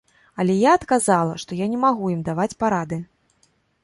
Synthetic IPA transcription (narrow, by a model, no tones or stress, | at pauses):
ɐlʲɛjaɐt̪kazalˠɐʂt̪ɔjanʲɛmaɣujimd̪avat͡sʲpaɾad̪ɨ